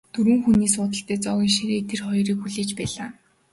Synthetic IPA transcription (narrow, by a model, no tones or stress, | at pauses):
t̪ʰɵɾwɘ̆ŋxuniːs̬ʊːt̪ə̆ɬt̪æːt͡sɔɣʲiːŋʃiɾeːt̪ʰerχɔjɾiːkxuɮeːt͡ɕpæːɮaː